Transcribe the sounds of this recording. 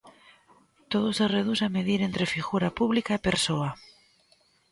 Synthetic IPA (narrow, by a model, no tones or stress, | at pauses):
t̪oð̞osereð̞usameðiɾent̪ɾefiɣuɾapuβlikaepeɾsoa